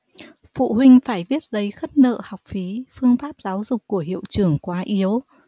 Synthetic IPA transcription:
fṵ˧˨hwï˧ŋ̟faː˧˩jvi˦˥ət̚zə˨˦jxə˦˥t̚nə̰ː˧˨ha˨˩wk͡p̚fi˨˦fɨ˧əŋfaː˦˥p̚zaː˨˦wzʊ˨˩k͡p̚kːu˧˩əɦḭ˧˨əwt͡ɕɨ˧˩əŋkwaː˨˦ʔi˨˦əw

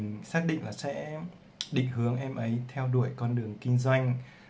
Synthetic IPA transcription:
saː˦˥k̚ɗḭ˧˨ŋ̟laː˨˩sɛ̰˧˥ | ɗḭ̈˧˨ŋ̟hɨ˨˦əŋʔɛ˧mʔə˨˦jt̪ʰɛ˧wɗu˧˩əjkɔ˧nɗɨ˨˩əŋki˧ŋ̟zwa˧jŋ̟

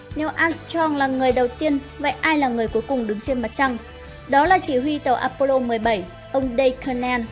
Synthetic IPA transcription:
nɛ˨˦wʔaː˧nst͡ɕɔ˧ŋlaː˨˩ŋɨ˨˩əjɗə˨˩wt̪i˧ən | və̰˧˨jʔaː˧jlaː˨˩ŋɨ˨˩əjku˨˦jkʊ˨˩ŋ͡mɗɨ˨˦ŋt͡ɕe˧nma˨˩t̚t͡ɕa˧ŋ | ɗɔ˨˦laː˨˩t͡ɕi˧˩ɦwi˧t̪ə˨˩wʔaː˧po˧lo˧mɨ˨˩əjɓə˧˩j | ʔə˧wŋ͡mɗə˧jkʰə˧naː˧n

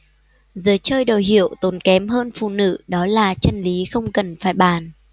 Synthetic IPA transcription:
zɨː˨˦jt͡ɕəː˧jɗo˨˩jɦḭ˧˨əwt̪o˨˦nkɛ˨˦mɦəː˧nfṵ˧˨nɨ̰˧˨ɗɔ˨˦laː˨˩t͡ɕə˧nli˨˦xə˧wŋ͡mkə˨˩nfaː˧˩jɓaː˧˨˩n

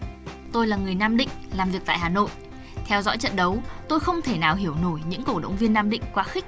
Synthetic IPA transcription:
t̪o˧jlaː˨˩ŋɨ˨˩əjnaː˧mɗï˧˨ŋ̟laː˨˩mvi˨˩ək̚t̪a̰ː˧˨jɦaː˨˩no̰˧˨j | t̪ʰɛ˧wzɔ̰˧˥jt͡ɕə̰˧˨nɗə˨˦wt̪o˧jxə˧wŋ͡mt̪ʰe˧˩naː˨˩wɦi˧˩əwno˧˩jɲɨ̰˧˥ŋko˧˩ɗə̰˧˨wŋ͡mvi˧ənːaː˧mɗḭ̈˧˨ŋ̟kwaː˨˦xï˦˥k̟̚

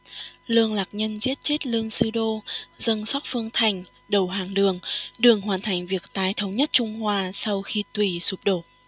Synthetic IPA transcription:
lɨ˧əŋlaː˨˩k̚ɲə˧nzi˦˥ət̚t͡ɕe˦˥t̚lɨ˧əŋsɨ˧ɗo˧zə˧nsɔ˦˥t̚fɨ˧əŋt̪ʰa˨˩jŋ̟ | ɗə˨˩wɦaː˨˩ŋɗɨ˨˩əŋɗɨ˨˩əŋɦwaː˨˩nt̪ʰa˨˩jŋ̟vi˨˩ək̚t̪aː˧jt̪ʰə˨˦wŋ͡mɲə˦˥t̚t͡ɕʊ˧ŋ͡mhwaː˧sa˧wxi˧t̪wi˧˩su˨˩p̚ɗo˧˩t̚

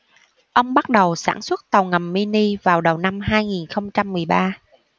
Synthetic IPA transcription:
ʔə˧wŋ͡mɓa˦˥t̚ɗə˨˩wsa̰ː˧˩nswə˦˥t̚t̪ə˨˩wŋə˨˩mːi˧ni˧vaː˨˩wɗə˨˩wna˧mɦaː˧jŋi˨˩nxə˧wŋ͡mt͡ɕa˧mːɨ˨˩əjɓaː˧

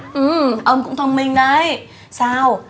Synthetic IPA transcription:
ʔɨ˧˩mʔəː˧nkʊ̰˧˥ŋ͡mt̪ʰə˧nmï˧ŋ̟na˨˧˩j | saː˧w

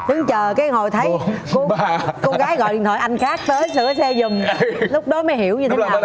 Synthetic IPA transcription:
ɗ̪ɨ˨˦ŋt͡ɕəː˨˩kaː˨˦jho˨˩jt̪ʰə˨˦jkkko˧ɣaː˨˦jɣɔ̰˧˨ʔḭ˨t̪ʰwaː˨˩jʔa˧jŋ̟xaː˦˥k̚t̪əː˨˦jsɨ̰˧˩˥əsɛ˧zʊ˨˩ŋ͡mlʊ˦˥k͡p̚ɗɔ˨˦məː˨˦jhi˧˩əwɲɨ˧t̪ʰe˨˦nː˨˩

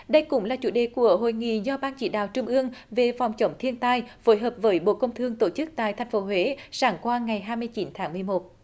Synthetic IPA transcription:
ɗə˧jkʊ̰˧˥ŋ͡mlaː˨˩t͡ɕṵ˧˩ɗḛ˧˨ku˧˩əɦo̰˧˨jŋḭ˧˨zɔ˧ɓaː˧nt͡ɕḭ˧˩ɗa̰ː˧˨wt͡ɕʊ˧ŋ͡mʔɨ˧əŋve˨˩fa˨˩wŋ͡mt͡ɕə˨˦wŋ͡mt̪ʰi˧ənt̪aː˧jfo˨˦jɦəː˨˩p̚vəː˨˦jɓo̰˧˨kə˧wŋ͡mt̪ʰɨ˧əŋt̪o˧˩t͡ɕɨ˦˥k̚t̪a̰ː˧˨jt̪ʰɛ˨˩jŋ̟fo˨˦ɦwe˧˨˦saː˧˩˦ŋkwaː˧ŋa˨˩jɦaː˧jm˧əjt͡ɕi˨˦nt̪ʰaː˨˦ŋmɨ˨˩əjmo˨˩t̚

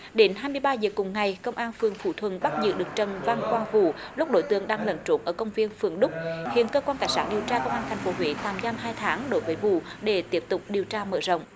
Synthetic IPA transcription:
ɗe˨˦nɦaː˧jmɨ˧əjɓaː˧zəː˨˩kʊ˨˩ŋ͡mŋa˨˩jkə˧wŋ͡mʔaː˧nfɨ˨˩əŋfṵ˧˩t̪ʰwə˧˩nɓa˦˥t̚zɨ̰˧˨ɗɨ˨˩ək̚t͡ɕə˨˩nva˧ŋkwaː˧ŋvṵ˧˨lʊ˦˥k͡p̚ɗo˧˦jt̪ɨ˧˩əŋɗaː˧ŋlə̰˧˩nt͡ɕo˨˦nʔəː˧˩kə˧wŋ͡mvi˧ənfɨ˨˩əŋɗʊ˦˥k͡p̚hḭ˧˨ənkəː˧kwaː˧nt̪aː˧˩jsaː˦˥n̚ɗi˨˩əwt͡ɕaː˧kə˧wŋ͡mʔaː˧ŋt̪ʰɛ˨˩jŋ̟fo˨˦ɦwḭ˧˥t̪aː˨˩mzaː˧mɦaː˧jt̪ʰaː˨˦ŋɗo˨˦jvəː˨˦jvṵ˧˨ɗe˧˩t̪i˦˥əp̚t̪ʊ˨˩k͡p̚ɗi˨˩əwt͡ɕaː˧mə̰ː˧˩zə̰˧˨wŋ͡m

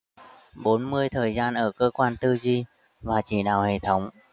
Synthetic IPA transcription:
ɓo˨˦nmɨ˧əjt̪ʰəː˨˩jzaː˧nʔəː˧˩kəː˧kwaː˧nt̪ɨ˧zi˧ | vaː˨˩t͡ɕi˧˩ɗaː˨˩whḛ˧˨t̪ʰə˨˦wŋ͡m

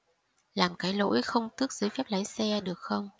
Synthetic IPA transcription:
laː˨˩mkaː˨˦jlo̰˧˥jxə˧wŋ͡mt̪ɨ˦˥ək̚zɨː˨˦jfɛː˦˥p̚la˨˦jsɛ˧ɗɨ˨˩ək̚xə˧wŋ͡m

